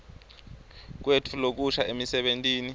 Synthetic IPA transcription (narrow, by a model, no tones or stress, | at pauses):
k̬wetʰulok̬uʃaʔemisɛɓentʼiːni